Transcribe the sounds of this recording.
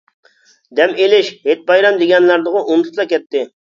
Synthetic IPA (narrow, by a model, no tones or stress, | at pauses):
d̪ɛmelɪʃɦet̪̚bɑjɾɑmd̪ɪɡʲɛnlˠɑɾd̪əʁʊʔunt̪ʰʊ̥slˠɑkʲɛt̪ːɪ